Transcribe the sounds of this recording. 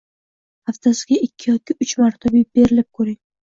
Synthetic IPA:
aft̪ʰasɪɡʲaɪkʲʰːɪjɒkʲʰːɪʊt͡ʃmaɾt̪ʰabib̥e̞ɾɪlɪp̚kʰɵɾɪŋ

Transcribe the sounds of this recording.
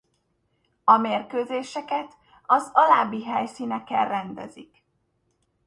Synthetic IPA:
ɒmeːrkøːzeːʃɛkɛt̪ | ɒzɒlaːbiɦɛjsiːnɛkɛlrɛnd̪ɛ̰zik

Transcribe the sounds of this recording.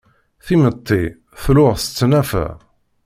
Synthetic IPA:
θimət̪ˤːi | θlʊʁθət͡sːnæfæ̰

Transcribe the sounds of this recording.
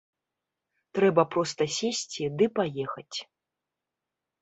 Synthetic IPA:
t̪ɾɛbɐpɾɔst̪ɐsʲesʲt͡sʲid̪ɨpajɛxɐt͡sʲ

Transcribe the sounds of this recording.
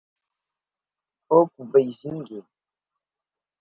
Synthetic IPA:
okubejziŋɡe

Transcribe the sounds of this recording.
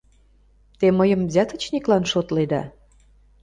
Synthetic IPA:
t̪eməjə̆mzʲæt̪ə̆t͡ɕniklɑnʃot̪led̪ɑ̰

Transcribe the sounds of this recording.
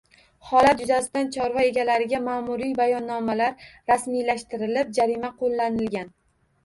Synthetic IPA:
χɒlat̪jʊzasɪd̪ant͡ʃʰɒɾvɒe̞ɡʲalaɾɪɡʲamaːmʊɾijbajɒnːɒmalaɾɾasmijlaʃt̪ɪɾɪlɪp̚d͡ʒaɾimaqʰolˠːanɪlɡʲan

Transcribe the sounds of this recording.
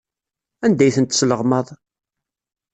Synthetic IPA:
ænd̪æjθənt̪sləʁmɑðˤ

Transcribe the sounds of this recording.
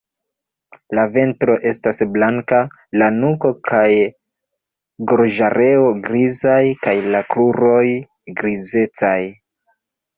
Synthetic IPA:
lave̞ntɾo̞ʔe̞stasblaŋka | lanuko̞kaj | ɡoɾʒaɾʔe̞o̞ɡɾizajkajlakluɾo̞j | ɡɾize̞t͡saj

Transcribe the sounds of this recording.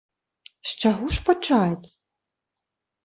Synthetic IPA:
ʃt͡ʃaɣuʂpat͡ʂat͡sʲ

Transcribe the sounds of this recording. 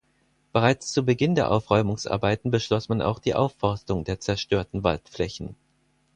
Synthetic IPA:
b̥əʁaɪt͡st͡subəɡɪndeːɐʔaʊfʁ̥ɔʏmʊŋsʔa̰ɐbaɪtn̩bəʃlɔsmanʔa̰ʊxd̥iːʔa̰ʊfːɔɐstʊŋdeːɐt͡sɛɐʃtøːɐtn̩va̰ltflɛçn̩

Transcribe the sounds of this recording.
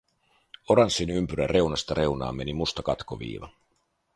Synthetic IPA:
o̞ɾɑnsːinympyɾære̞unɑst̪ɑɾʔe̞unɑ̰ːmːe̞nimust̪ɑkɑt̪koʋḭːʋɑ̰

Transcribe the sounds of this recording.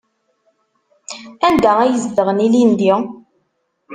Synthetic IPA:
ænd̪ææjəzd̪əʁənilind̪i

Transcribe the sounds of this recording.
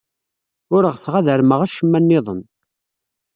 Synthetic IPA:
ʊɾʁsʁæðəɾməʁæʃəmːænːɪðˤən

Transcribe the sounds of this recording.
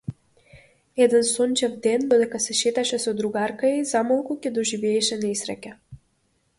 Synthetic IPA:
ɛd̪ɛnsɔnt͡ʃɛvd̪ɛnd̪ɔd̪ɛkasɛʃɛt̪aʃɛsɔd̪ɾuɡaɾkaizamalˠkucʲɛd̪ɔʒivɛːʃɛnɛisɾɛ̰cʲɛ

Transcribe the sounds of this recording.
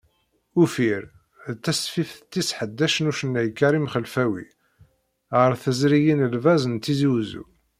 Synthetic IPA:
ufiɾ | ðt̪ːæsfifθt̪ːisħəd̪ːæʃənuʃənːæjkːæɾimχəlfæwḭ | ʁəɾθəzɾijinəlvæzənt̪ːiziwzṵ

